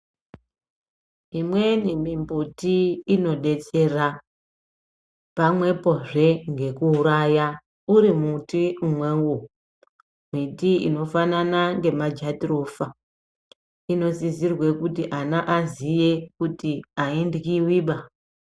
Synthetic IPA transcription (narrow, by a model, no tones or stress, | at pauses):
imwe̞nimimbutiːno̞ɗe̞t͡se̞ra | pamwe̞po̞ʐe̞ŋɡe̞kuːɾaja | uɾimutiumwewu | mitiḭno̞fananaŋɡe̞mad͡ʒatirofa | ino̞zizirwe̞kutiʔanaʔazije̞kutiaindkiwiːɓa